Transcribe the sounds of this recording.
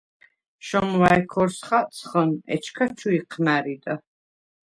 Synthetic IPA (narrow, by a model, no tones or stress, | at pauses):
ʃɔmwajkʰɔɾsχasʰχənɛ̰t͡ʃʰkʰat͡ʃʰuiqʰnæɾid̪a